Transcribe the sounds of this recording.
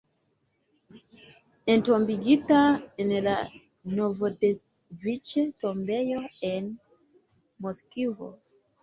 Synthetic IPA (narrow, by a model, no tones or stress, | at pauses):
ɛ̃ntɔ̃mbiɡitaɛ̃nela | novode | vit͡ʃetɔ̃mbejoɛn | moskivo̰